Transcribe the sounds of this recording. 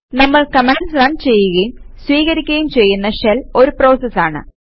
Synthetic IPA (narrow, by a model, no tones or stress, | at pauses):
nɐmːɐɭkɐmeɳɖsrɐɳɖt͡ɕe̞jːuɣɐjumswiːɣɐɾikʲːɣɐjumt͡ɕe̞jːunːɐʂɐlo̞ɾupro̞ːsɐsaːɳɨ̰